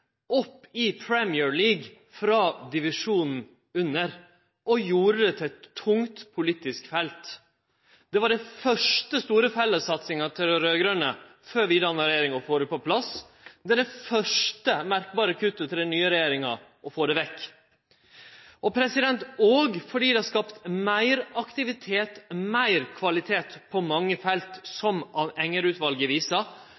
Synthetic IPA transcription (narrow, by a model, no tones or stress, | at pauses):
ɔpːɪpʰɹɛmɪːəɹliːɡ | fɾɑːd̪ɪʋɪʂuːnn̩ | ʉnːəɾ | ʔɔjuːɾəd̪ɛt̪ʰɛɛt̪ʰːʊŋt̪pʰʊliːt̪ɪskfɛlt̪ | d̪̥ɛʋɑɖɛfœʂʈəst̪uːɾəfɛlːəsɑt̪sɪŋɑt̪ʰɪlɾøːɡɾənə | føːɾʋɪd̪ɑnəɾɛjeːɾɪŋɑfoːɾɛpɔpʰlɑs | d̪ɛd̪ɛfœʂʈəmæɾk̚bɑːɾəkʰʉt̪ːət̪ʰɪld̪ɛnyːəɾɛjeːɾɪŋɑʔɔfoːd̪ɛʋɛkː | ʔɔpʰɾɛsɪd̪ɛnt̪oːɡfɔɖiːd̪ɛhɑskɑpt̪mæɪɾɑkt̪ɪʋɪt̪ʰeːt̪mæɪɾkʰʋɑlɪt̪ʰeːt̪pʰɔmɑŋːəfɛlt̪sɔmʔɑʋɛŋːəɾʉːt̪ʋɑlɡəʋiːsɑ